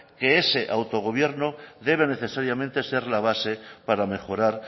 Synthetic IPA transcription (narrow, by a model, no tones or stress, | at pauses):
ke̞ese̞ʔawt̪o̞ɣ̞o̞β̞je̞ɾnoðe̞β̞e̞ne̞θe̞saɾjamẽ̞nt̪e̞se̞ɾlaβ̞ase̞paɾame̞xo̞ɾaɾ